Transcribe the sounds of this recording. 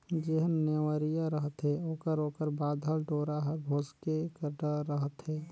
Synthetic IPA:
d͡ʒeɦənːeʋəɾijaɾəɦət̪ɦɛoːkəɾoːkəɾbaːd̪ʱəlɖoːɾaɦəɾbʱoːskekəɖəɾəɦət̪ɦɛː

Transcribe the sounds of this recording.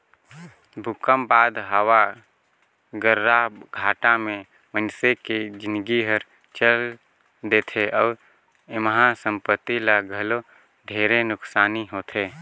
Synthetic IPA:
bʱʊkəmbaːd̪ɦəwa | ɡəɾːaɡʱaːʈamẽ | mənseked͡ʒɪ̃nɡiɦəɾ | t͡ʃəl | d̪eːt̪ʰeʔɔːɾ | məɦasə̃mpət̪ːilaɡʱəlo | d̪ʱeːɾenʊksaːniɦoːt̪ʰeː

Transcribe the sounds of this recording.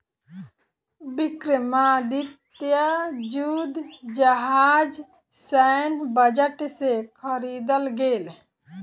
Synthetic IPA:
bɪkɾɪmaːd̪it̪jad͡ʒuːd̪d͡ʒəɦaːd͡ʒ | sɛnbəd͡ʒəʈsekʰəɾiːd̪əlɡeːl

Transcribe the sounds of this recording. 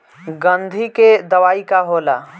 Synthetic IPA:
ɡə̃nd̪ʱiked̪əʋaːikaɦoːla̰ː

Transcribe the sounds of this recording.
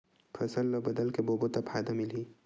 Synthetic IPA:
pʰɐsəlːɔbɐd̪əlkeboːbot̪apʰaːjd̪amɪliː

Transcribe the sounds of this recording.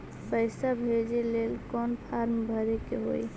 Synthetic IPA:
pəɪsabʱed͡ʒelelkɔnpʰaɾmbʱəɾekeɦo̰j

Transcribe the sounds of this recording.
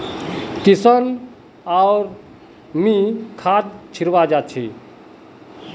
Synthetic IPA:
k̪isən | aʊɾ | mikʰat̪̚t͡ʃʰiɾʋad͡ʒat͡ʃʰi

